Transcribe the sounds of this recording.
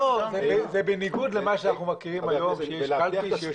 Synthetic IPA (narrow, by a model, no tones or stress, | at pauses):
ozebezebeniɡud̪lemaʃeanaχnumakiʁimajo̞mʃejɛʃalt̪iʃje